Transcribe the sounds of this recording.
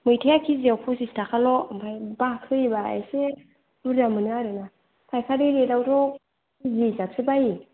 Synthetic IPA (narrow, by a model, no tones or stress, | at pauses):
mɯjtʰajakʰiziawpʰɔsistʰakʰalɔampʰajbakʰɯibaa̰jse | buɾdamɯnɯaɾɯna | tʰajkʰaɾiɾeɾawtʰɔ | izizap̚sʰɯbaji